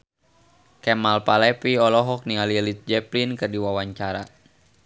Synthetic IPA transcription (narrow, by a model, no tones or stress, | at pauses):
kɛmalpalɛpiɔlɔɦɔk̚niŋalilit̪̚d͡ʒɛplinkɨrdiwawaɲt͡ʃaɾa